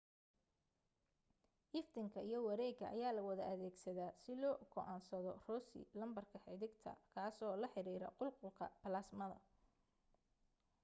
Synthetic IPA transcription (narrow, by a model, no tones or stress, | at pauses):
ʔɪft̪ʰɪŋkʰɐijɞwɐɾɛːɡɐʔɐjaːlɐwɐðɐʔɐðɛːɡsɐðaːsɪlɔːɡɔʔaːnsɐðɔrɔːsɪ̰lɐmbɐrkʰɐħɪðɪɡt̪ʰɐ̰kʰaːsɔːlɐħɪɾiːɾɐ̰qʊlqʊlkʰɐ̰pɐlaːsmɐðɐ̰